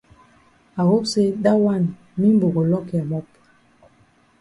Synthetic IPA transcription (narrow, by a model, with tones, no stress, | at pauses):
a˨wo˦pse˦ɗa˦wa˦˨n | mi˦m˦bo˨ɡo˨lɔ˦kɛ˨mɔ˦p̚